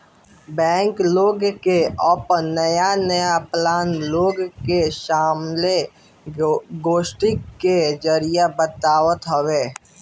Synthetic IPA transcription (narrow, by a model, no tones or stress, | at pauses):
bɛ̃ːŋkloːɡkeɔpnəjanəjaplaːnloːɡkeʃaːmle | ɡoːʃʈikːed͡ʒəɾijabət̪aːwət̪ɦəweː